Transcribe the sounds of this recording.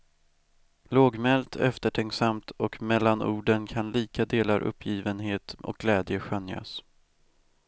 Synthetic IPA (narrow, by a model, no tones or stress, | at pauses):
loːɡmɛlt̪ʰɛ̰ft̪əʈʰɛŋksamt̪ɔkmɛlːanʔṵːɖənkʰanliːkad̪eːlaɾʔɵ̰pʰːjiːvənɦeːt̪ʔɔ̰k̚ɡlɛːd̪jəɧœnja̰s